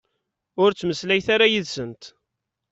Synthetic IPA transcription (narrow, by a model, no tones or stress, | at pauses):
ʊɾt͡sːməslæjθaɾajiðsənt̪